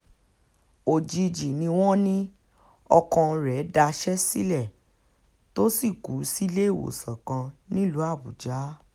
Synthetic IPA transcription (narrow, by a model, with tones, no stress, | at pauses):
o˨d͡ʒi˨˧d͡ʒi˨nĩ˧w̃ɔ̃˦nĩ˦ | ɔ˧kɔ̃˧ɾɛ˨˦da˧ʃɛ˦si˦lɛ˦˨ | to˦si˦˨ku˨˦si˦le˦˨wo̰˨sã˨kã˧nĩ˦lu˨˦a˦˨bu˨d͡ʒa˨˦